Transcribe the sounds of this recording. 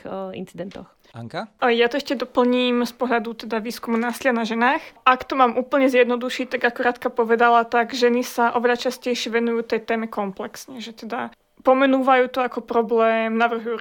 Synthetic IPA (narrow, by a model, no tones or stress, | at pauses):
ḭnt͡sid̪ɛnt̪ɔ̰x | ŋkajat̪ɔɛʃcɛd̪ɔpl̩ɲiːmspɔɦʎad̪ut̪ɛd̪aʋiːskumunaːsilɪanaʒɛnaːxakt̪ɔmaːmʔuːpl̩ɲɛzjɛd̪nɔd̪uʃiːt̪aɡakuɾaːt̪kapɔʋɛd̪alat̪aɡʒɛnisaʔɔʋɛʎat͡ʃascɛjʃɪɛʋɛnujuːt̪ɛjt̪ɛːmɛkɔmplɛksɲɛʒɛt̪ɛd̪a | pɔmɛnuːʋajuːt̪ɔakɔpɾɔblɛːmnaʋr̩ɦuju